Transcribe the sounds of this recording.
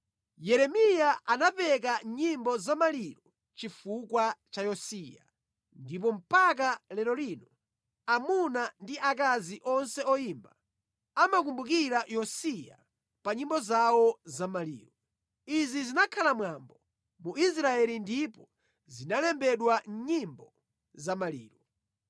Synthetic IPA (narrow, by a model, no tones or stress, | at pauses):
jɛɾɛmijaanapɛk̬aɲimbɔzamaliɾɔ | t͡ʃifukwat͡ʃajɔsija̰ | ndip̬ɔm̩pak̬alɛɾɔlinɔ | amunandiʔak̬aziʔɔnsɛɔjiːmba | amak̬umbuk̬iɾajɔsija̰ | paɲimbɔzawɔzamalḭːɾɔ | izizinakʰalamwambɔ | muis̬ɾaɛlindipɔ | zinalɛmbɛɗwaɲimbɔ | zamalḭːɾɔ